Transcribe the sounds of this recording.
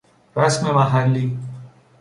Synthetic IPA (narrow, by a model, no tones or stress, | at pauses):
ɾasmẽmãɦanli